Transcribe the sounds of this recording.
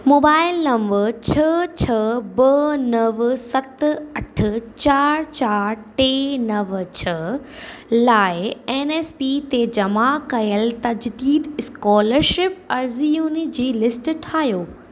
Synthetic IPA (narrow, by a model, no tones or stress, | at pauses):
moːbaːɪlːɐ̃mʋət͡ɕʰɐt͡ɕʰɐbɐnɐʋsɐt̪ɐʈʰə̆t͡ɕaːɾt͡ɕaːɾʈeːnɐʋt͡ɕʰɐ | laːɪeːneːspiːt̪ed͡ʑɐmakɐjəlt̪ɐd͡ʑd̪iːd̪ɪskɔːləɾʃɪp̚ɐɾzijunid͡ʑiːlɪsʈʈʰaːjoː